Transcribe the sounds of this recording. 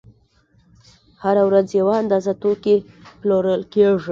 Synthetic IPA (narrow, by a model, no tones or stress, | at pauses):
haɾawɾad͡zjawaand̪ɑzat̪oke | ploɾəlkeʐi